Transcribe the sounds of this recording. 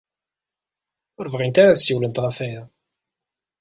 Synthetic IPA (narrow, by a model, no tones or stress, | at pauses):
ʊɾvʁint̪aɾasjiwlənt̪ʁafæjæ